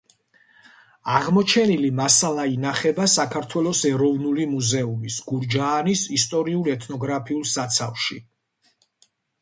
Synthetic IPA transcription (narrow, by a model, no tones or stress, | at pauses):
aʁmɔt͡ʃʰɛnilimasalˠainaχɛbasakʰaɾt̪ʰwɛlɔsɛɾɔvnulimuzɛumisɡuɾd͡ʒaːnisist̪ʼɔɾiulɛt̪ʰnɔɡɾapʰiulˠsat̪sʰafʃi